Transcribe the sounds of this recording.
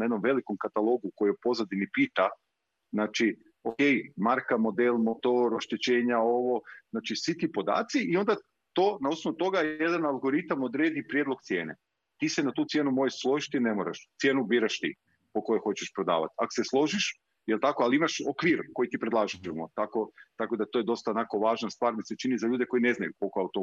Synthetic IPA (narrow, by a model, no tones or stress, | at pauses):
najed̪no̞mʋe̞liko̞mkat̪alˠo̞ɡuko̞jepo̞znad̪inipiːt̪a | znaːt͡ʃi | oke̞jmaɾkamo̞d̪elmot̪oɾoʃt̪et͡ɕe̞ːɲao̞ʋo̞znaːt͡ʃisʋit̪ipo̞d̪a̰ːt̪siio̞nd̪a | t̪onausnoʋut̪o̞ɡajed̪analˠɡo̞ɾit̪amod̪ɾeːd̪ipɾjed̪lˠoɡt̪sje̞ːne | t̪iːsenat̪uːt̪sjeːnumojeʃslˠo̞ʒit̪inemoɾa̰ʃt̪sje̞ːnubiːɾaʃt̪i | poko̞jexo̞t͡ɕeʃpɾod̪a̰ːʋa̰t̪a̰ko̥se̞slˠo̞ʒiʃ | jelˠt̪akoaliimaʃokʋiːɾko̞jit̪ipɾe̞d̪lˠaːʒemot̪ako̞t̪ako̞d̪at̪oːjed̪o̞st̪aonako̞ʋaːʒnast̪ʋaːɾmiset͡ʃinizaʎuːd̪e̞ko̞ine̞znajuko̞lˠkoaut̪o